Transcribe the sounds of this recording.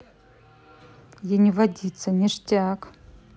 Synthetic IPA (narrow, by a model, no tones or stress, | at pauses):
jenʲivadʲit͡sʰanʲiʂtʼakʼ